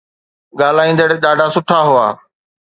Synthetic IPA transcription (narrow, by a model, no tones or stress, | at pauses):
ɠaːlaːĩːn̆d̪əɽeːɗaːɖʱaːsʊʈʰaːɦʊa̰ː